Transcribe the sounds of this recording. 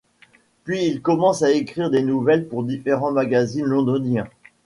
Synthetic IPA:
pɥiːlkɔmɑ̃saekχiʁd̪enuvɛlpuʁd̪ifeʁɑ̃maɡazinlɔ̃d̪ɔnjɛ̃

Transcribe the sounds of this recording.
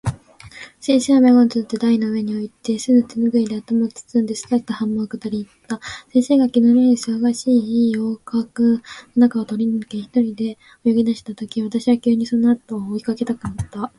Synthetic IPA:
sẽ̞ɰ̃seβameɡont͡sɨt̪ːed̪ainoɯ̟e̞ɲ̟io̞it̪e̞sɨnɯt͡sɨnɯɡɯ̟id̪e̞at̪omot͡sɨ̥t͡sɨnd̪esɨ̥t̪at̪ahãmːakɯ̟t̪oɾʲiːt̪ːasẽ̞ɰse̞ːɡakʲinomʲiɲisɨβaɡaɕiːioːkakɯonakaot̪o̞ɾʲinɯ̟keçi̥t̪o̞ɾʲid̪e̞ | ojoɡʲid̪aɕi̥t̪at̪o̞kʲiβat̪aɕiβakʲɨːɲ̟iso̞no̞at̪o̞ːikake̞t̪akɯ̟nat̪ːa

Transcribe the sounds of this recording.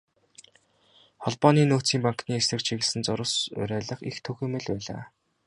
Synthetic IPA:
χɔɮpɔːniːnoːt͡siːmpaŋkniːesrɘ̆kt͡ɕʰiɣɘ̆ɮsɘ̆nt͡sʊɾʊ̆sʊ̰ɾæːɮə̆χḭxt̪ʰɵɣĕːmɘ̆ɮpæːɮa̰ː

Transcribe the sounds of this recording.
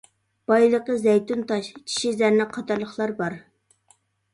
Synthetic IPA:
b̥ɑjlˠəqəzɛjt̪unt̪ɑʃt͡ʃʰi̥ʃizæɾnɪqʰɑt̪ɑɾlˠəχlˠɑɾbɑɾ

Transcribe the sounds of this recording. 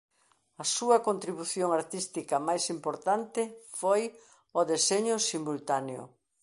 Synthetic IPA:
ɐsuɐkont̪ɾiβuθjoŋaɾt̪ist̪ikɐmajsimpoɾt̪ant̪ɪfoj | oðeseɲʊsimult̪aneʊ̰

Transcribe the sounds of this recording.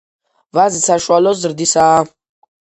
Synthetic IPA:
vazisaʃwalɔzɾd̪isa

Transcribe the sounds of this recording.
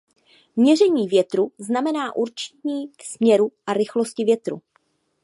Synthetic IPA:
mɲɛr̝ɛɲiːvjɛt̪ɾuznamɛnaːʔuɾt͡ʃɲiːksmɲɛɾuʔaɾɪxlo̞scɪvjɛt̪ɾṵ

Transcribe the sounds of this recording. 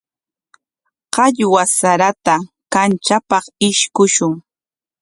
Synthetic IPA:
qɑʎwasaɾat̪a | kant͡ʃapɑχɪʃkʊʃʊŋ

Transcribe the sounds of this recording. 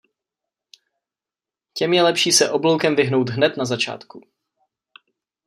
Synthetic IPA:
cɛmjɛlɛpʃiːsɛʔo̞blowkɛmvɪɦno̞wt̪ɦnɛt̪nazat͡ʃa̰ːt̪ku

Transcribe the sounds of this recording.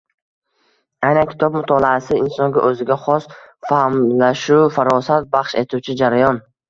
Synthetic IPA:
ajnankʲʰɪt̪ʰɒb̚mʊt̪ʰɒlˠaasɪɪnsɒŋɡʲaʔɵzɪɡʲaχɒsfahmlaʃufaɾɒsat̪̚baχʃe̞t̪ʰuwt͡ʃʰɪd͡ʒaɾajɒn

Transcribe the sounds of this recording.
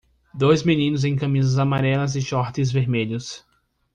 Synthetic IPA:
d̪ojzminĩnʊzẽj̃kɐmizɐzamaɾɛlɐzɪʃɔɾt̪ɪzveɾmeʎʊs

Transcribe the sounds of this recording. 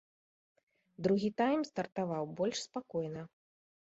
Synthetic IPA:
d̪ɾuɣʲit̪ajmst̪ɐrt̪avawbɔlʲʂspakɔjn̪ɐ

